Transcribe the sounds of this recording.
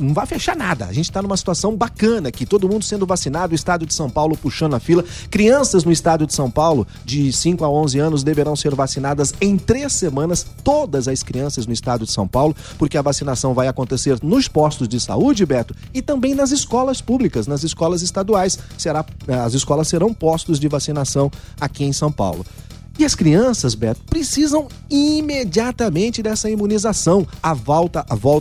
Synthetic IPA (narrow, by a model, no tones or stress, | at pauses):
nɐ̃w̃vajfeʃaɾnad̪ɐ̰ʒẽnt͡ʃɪ̥t̪anũmɐsi̥t̪uasɐ̃w̃bakɐ̃nɐkɪt̪od̪ʊmũnd̪ʊsẽnd̪ʊvasinad̪ʊist̪ad͡ʒʊd͡ʒɪsɐ̃w̃pawlʊpuʃɐ̃nd̪ʊɐfilɐkɾiɐ̃sɐznʊɪst̪ad͡ʒjʊd͡ʒɪsɐ̃w̃pawlʊ | d͡ʒɪsĩkʊaõzɪɐ̃nʊzd̪eveɾɐ̃w̃seɾvasinad̪ɐzẽj̃t̪ɾesːemɐ̃nɐst̪od̪ɐzɐskɾiɐ̃sɐznʊɪst̪ad͡ʒʊd͡ʒɪ̥sɐ̰̃w̃pawlʊ | poɾkeɐvasinasɐ̃w̃vajakõnt̪eseɾnʊspɔst̪ʊzd͡ʒɪsa̰ud͡ʒɪbɛt̪ʊ | ɪt̪ɐ̃mbẽj̃nɐzɪskɔlɐspublikɐznɐzɪskɔlɐzɪst̪ad̪uajsseɾaɐzɪskɔlɐseɾɐ̃w̃pɔst̪ʊzd͡ʒɪvasinasɐ̃w̃ | akiẽj̃sɐ̃w̃pa̰wlʊ | ɪɐskɾiɐ̃sɐzbɛt̪ʊ̥pɾesizɐ̃w̃ | imed͡ʒiat̪ɐmẽnt͡ʃɪd̪ɛsɐimũnizasɐ̃w̃avɔwt̪ɐʔavɔw